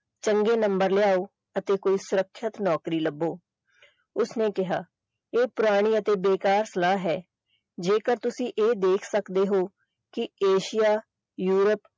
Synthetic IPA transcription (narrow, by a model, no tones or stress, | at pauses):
t͡ʃəŋɡeːnəmbəɾlɪaːoː | ət̪eːkoːiːsʊɾəkʰːət̪nɔːkɾiːləbːoː | ʊsneːkɪɦaː | eːpʊɾaːɽ̃iːət̪eːbeːkaːɾsəlaːɦɛː | d͡ʒeːkəɾt̪ʊsĩːʔeːd̪eːkʰsəkd̪eːɦoː | kɪeːʃɪjaː | juːɾəp